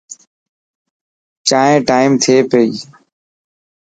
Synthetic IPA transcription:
t͡ʃaːẽːʈaːɪmt̪ʰeːpeiː

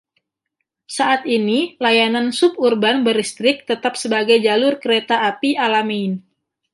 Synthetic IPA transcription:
saʔat̪inilajanansʊp̚urbanbəɾist̪ɾɪk̚t̪ət̪ap̚səbaɡajd͡ʒalʊrkəɾet̪aːpialamin

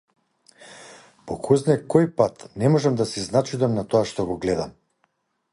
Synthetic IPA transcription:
pɔkʰuznɛkɔjpat̪nɛmɔʒɛmd̪asiznat͡ʃid̪amnat̪ɔaʃt̪ɔɡɔɡlɛd̪am

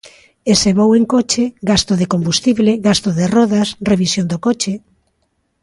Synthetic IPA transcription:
eseβoweŋkot͡ʃeɣast̪oðekombust̪iβleɣast̪oðerɔðasreβisjond̪okot͡ʃe

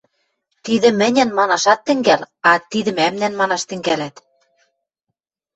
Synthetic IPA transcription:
t̪iðɘ̆mɘ̆nʲɘ̆nmɑnɑʃɑt̪ːɘ̆ŋɡæl | ɑt̪iðɘ̆mæmnænmɑnɑʃt̪ɘ̆ŋɡælæt̪

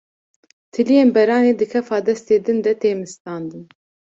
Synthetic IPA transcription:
t̪ʰɨlijeːnbɛɾɑːneːd̪ɨkʰɛfɑːd̪ɛst̪eːd̪ɨnd̪ɛt̪eːmɨst̪ɑːnd̪ɨn

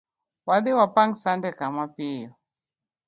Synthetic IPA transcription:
waɗiwapaŋɡsandɛkamapijɔ

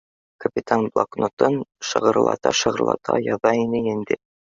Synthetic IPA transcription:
kɐpʲit̪anblˠa̰knʔot̪ɤnʃɤ̆ʁɤ̆ɾlˠɑ̰t̪ɑ̰ʃɤ̆ʁɤ̆ɾlˠɑ̰t̪ʰɑ̰jɒðɑinɘind̪ɘ

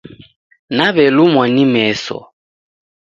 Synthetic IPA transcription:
naβɛlumwanimɛsɔ̰

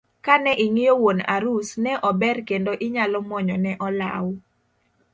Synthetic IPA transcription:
kanɛʔɪŋɪjowona̰ɾusnɛʔɔbɛrkendoʔɪɲalɔmɔɲɔnɛʔɔla̰w

